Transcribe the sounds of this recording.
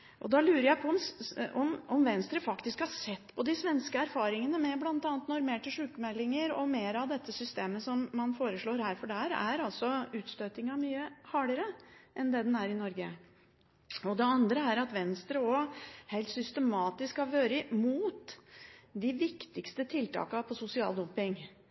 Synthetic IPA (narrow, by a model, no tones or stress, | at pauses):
ʔɔ̰d̪ɑlʉːɾəɾjæɪpʰɔɔmɔmɔmʋɛnst̪ɾəfɑkt̪ɪskhɑsɛt̪ːpʰɔd̪ɪsʋɛnskəæɾfɑːɾɪŋənəmɛblɑnt̪ɑːnt̪nɔɾmeːʈɪʂʉːkəmɛlːɪŋəɾɔmeːɾɑʋd̪ɛt̪ʰːəsʏst̪eːməsɔmːɑnfoːɾəʂɭoːɾhæːɾfɔɖæːɾæ̰ɾɑlsɔʉːt̪st̪øːt̪ɪŋɑmyːəhɑːɖəɾəʔɛnd̪ɛd̪ɛnæɾɪnɔɾɡə | ɔd̪ɛɑnd̪ɾəæɾɑt̪ʋɛnst̪ɾəɔhɛɪlt̪sʏst̪əmɑːt̪ɪskhɑʋøːɾəmuːt̪ | d̪ɪʋɪkt̪ɪkst̪ət̪ʰɪlt̪ʰɑ̰ːkɑpʰɔsʊsɪɑ̰ld̪ɔmpɪŋ